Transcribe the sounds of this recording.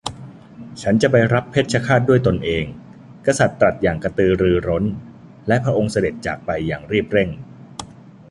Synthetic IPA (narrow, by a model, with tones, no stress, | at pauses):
t͡ɕʰa˦˥nt͡ɕa˨˩ba˧jɾa˦˥pʰːeː˦˥˩t̪̚t͡ɕʰa˦˥kʰaː˥˩t̪̚du˥˩əjt̪o˧nʔeː˧ŋ | ka˧sa˨˩t̪ːɾa˨˩t̪̚jaː˨˩ŋka˧t̪ɯː˧ɾɯː˧ɾo˦˥n | lɛ˦˥ʔpʰɾa˦˥ʔo˧ŋsa˧de˨˩t̪̚t͡ɕa̰ː˨˩k̚pa˧jːaː˨˩ŋɾiː˥˩p̚ɾe˥˩ŋ